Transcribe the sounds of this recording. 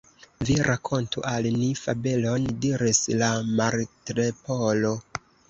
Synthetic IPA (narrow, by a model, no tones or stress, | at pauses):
viɾʔakʰo̞ntṵʔalnifabelo̞ndiɾislamaɾtɾepolo